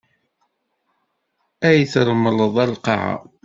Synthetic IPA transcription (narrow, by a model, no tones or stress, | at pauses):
æjəθɾˤmələðˤælqɑ̰ʕa̰